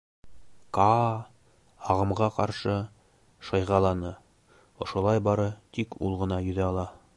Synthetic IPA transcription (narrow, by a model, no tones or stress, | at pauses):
kɑ | ɑʁɤ̆mʁɑqɑɾʃɤ | ʃɑjʁɑlˠɑnɤ | ŏʃŏlˠɑjbɑɾɤt̪ikṵlˠʁɤ̆nɑjɵ̆ðæɑlˠɑ